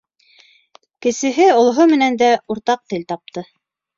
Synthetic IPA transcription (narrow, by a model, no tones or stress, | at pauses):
kɘ̆sɘ̆ɦɘŏlˠɦomɘ̆nænd̪æuɾt̪ɑq̚t̪ɘlt̪ɑp̚t̪ɤ